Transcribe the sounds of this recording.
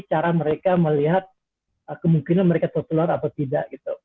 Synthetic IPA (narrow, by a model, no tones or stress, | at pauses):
t͡ʃaɾaməɾekaməliɦat̪̚ | əkəmuŋkinanməɾekat̪ərsəluaɾat̪awt̪ida̰ʔɡ̥it̪u